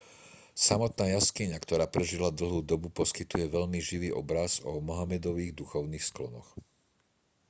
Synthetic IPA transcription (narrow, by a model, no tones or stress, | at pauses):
samɔt̪naːjaskiɲakt̪ɔɾaːpɾɛʒilad̪l̩ɦuːd̪ɔbupɔskit̪ujɛʋɛʎmiʒiʋiːʔɔbɾazɔmɔɦamɛd̪ɔʋiːɣd̪uxɔʊniːxsklɔnɔ̰x